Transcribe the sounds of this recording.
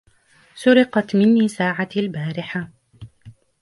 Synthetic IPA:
sʊɾɪqɑt̪mɪnːiːsaːʕaalbaːɾɪħa

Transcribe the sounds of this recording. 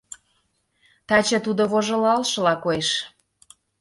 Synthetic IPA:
t̪ɑt͡ɕĕt̪ud̪oβoʒɤ̆lɑlʃɤ̆lɑkoeʃ

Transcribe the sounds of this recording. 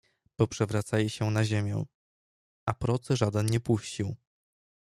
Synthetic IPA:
pɔpʂɛvɾat̪sajɛɕɛnaʑemʲjɛ̰̃ | apɾɔt̪sɛʐad̪ɛnɲɛpuɕt͡ɕiw

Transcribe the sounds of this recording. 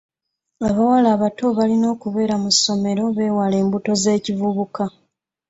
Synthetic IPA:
aβawalaːβatoβalino̞ːkuβe̞ːɾamuso̞me̞ɾo̞βe̞ːwale̞ːmbuto̞ze̞ːcivuβuka

